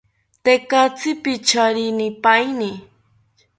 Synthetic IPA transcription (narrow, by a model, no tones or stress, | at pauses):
t̪ekat͡sɪpɪt͡ʃaɾɪnɪpajnɪ